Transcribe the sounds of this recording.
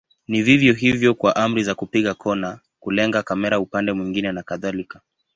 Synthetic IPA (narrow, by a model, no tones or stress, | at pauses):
nivivjɔɦivjɔkwaʔam̩ɾizakupiɠakʰɔna | kulɛŋɡakamɛɾaupandɛmwiŋɡinɛnakaðalika